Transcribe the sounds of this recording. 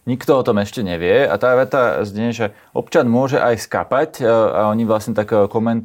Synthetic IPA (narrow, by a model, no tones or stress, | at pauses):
ɲikt̪ɔɔt̪ɔmɛʃcɛɲɛʋɪɛa̰t̪aːʋɛt̪azɲɛʒɛ | ʔɔ̰pt͡ʃanmʊɔʒɛʔajska̰paca̰ɔɲiʋlasɲɛt̪akkɔmɛnt̪